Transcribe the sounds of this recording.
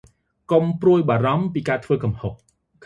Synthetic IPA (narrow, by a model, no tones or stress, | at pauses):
kompruəjɓaːɾɑmpiːkaːt̪ʰʋəːkɑmhoh̚